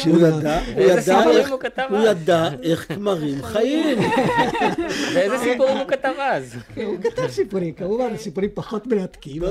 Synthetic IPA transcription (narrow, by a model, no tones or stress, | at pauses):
ujad̪aujad̪aeukat̪avujad̪aeχkmaʁimχajim | veezesipuʁimukat̪avazkenukat̪avsipuɾimkamuvansipuɾimpaχot̪melat̪kil